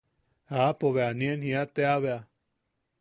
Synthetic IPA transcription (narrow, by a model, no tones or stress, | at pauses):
apoβeanĩenhĩat̪eaβea